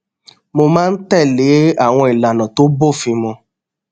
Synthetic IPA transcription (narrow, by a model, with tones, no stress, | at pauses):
mo˧mãː˦n̩˦tɛ˦˨le˨˦a˦˨w̃ɔ̃˧i˨la˨nã˨to˦bo˦˨fĩ˧mɔ̃˧